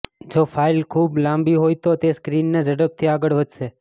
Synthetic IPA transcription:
d͡ʒofʰailkʰublãmbiɦojt̪ot̪eskɾinːed͡ʒəɽəp̚t̪ʰiaɡəɭʋəd͡ʒʃe

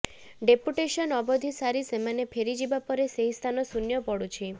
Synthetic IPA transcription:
ɖepuʈesɔnɔbɔd̪ʱisaɾisemanepʰeɾid͡ʒibapɔɾeseɦist̪ʰanɔsunjɔpɔɽut͡ʃʰi

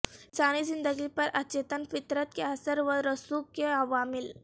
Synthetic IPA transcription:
sanizind̪əɡipɐɾʔɐtːt͡ʃet̪ənfit̪ɾət̪keɦasəɾʋəɾəsukkːeɐʋamil

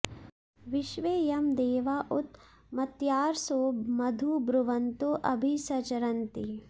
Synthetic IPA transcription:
ʋɪʃʋeːjɐmd̪eːʋaʔʊt̪ | mɐt̪jaːɾsoːmɐd̪ʱubɾʊʋɐnt̪oʔɐbʱisɐt͡ʃɐɾɐnt̪i

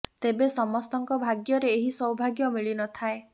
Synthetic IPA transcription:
t̪ebesɔmɔst̪ɔŋkɔbʱaɡjɔɾeːɦisɔwbʱaɡjɔmiɭinɔt̪ʰae

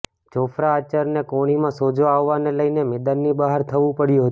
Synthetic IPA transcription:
t͡ʃofɾaːt͡ʃəɾnekoɽ̃imãsod͡ʒoaʋːaneləjnemed̪ənːibəɦaɾt̪ʰəʋũpəɽjũɦət̪

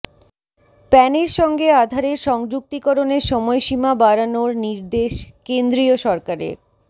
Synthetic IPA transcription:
pɛneɾʃɔŋɡead̪ʱaɾeɾʃɔŋd͡ʑuk̚t̪ikoɾoneɾʃɔmɔeʃimabaɾanoɾniɾd̪eʃkend̪ɾioʃɔɾkaɾḛɾ

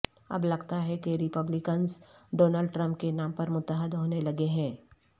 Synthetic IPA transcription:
ɐ̰blɐɡt̪aɦɛkeɾɪpəblɪkənzɖoːnəlɖʈɾə̃mpkenaːmpɐɾmʊt̪ːəɦəd̪ɦoːnelɐɡeɦɛ̃ː

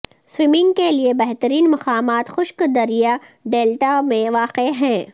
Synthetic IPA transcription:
swɪmɪ̃ŋɡkeliebɛɦt̪əɾiːnmɐqaːmaːt̪xʊʃkd̪ɐɾijaɖeːlʈamẽʋaːqeɦɛ̃ː

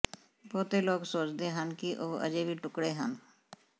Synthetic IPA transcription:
bɔːt̪eloːɡsoːt͡ʃd̪eɦənkiʔoːə̰d͡ʒebʱiʈʊkɽeɦən

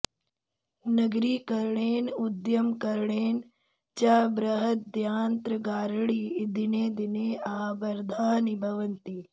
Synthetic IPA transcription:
nɐɡɾiːkɐɾɳeːnud̪jɐmkɐɾɳeːn | t͡ʃaːbɾɐɦɐt̪̚d̪jaːnt̪ɾɐɡaːɾɭiːd̪ineːd̪ineːaːbɐɾd̪ʱaːnibʱɐʋɐnt̪i

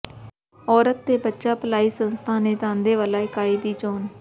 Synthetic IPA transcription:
ɔːɾət̪ːeːbətːʃaːpəlaːiːsənst̪ʰãːneːt̪ãːnd̪eːʋəlaːɪkaːiːd̪iːt͡ʃoːn

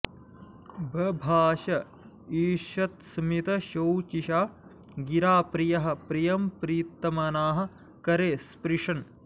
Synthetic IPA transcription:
bʱɐbʱaːʃɐ | iːʃɐt̪smit̪ɐʃɐwt͡ʃiʃaː | ɡiɾaːpɾijɐɦɐ̆pɾijɐmpɾiːt̪ːɐmɐnaːɦɐ̆ | kɐɾeːspɾiʂɐn

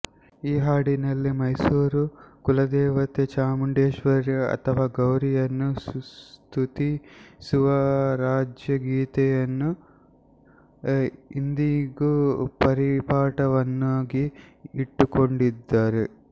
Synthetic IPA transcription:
iːɦaːɽinɐlːimɐjsuːɾukulɐd̪ɛːʋɐt̪et͡ʃaːmuɳɖeːʃʋɐɾiɐ̰t̪ʰɐʋaːɡɐwɾijɐnːu | t̪ʰut̪isuʋɐɾaːd͡ʒjɐɡiːt̪ɛjɐnːu | ind̪iɡupɐɾipaːʈɐʋɐnːoːɡiːʈːukoɳɖid̪ːaːɾe

